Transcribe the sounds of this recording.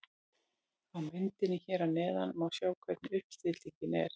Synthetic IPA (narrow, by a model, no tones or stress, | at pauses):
awmɪnt̪ɪnɪçɛːɾanɛːða̰nmawsjaːwkʰvɛt̪nʏhpst̪ɪt̪licɪnɛ̰ɾ̥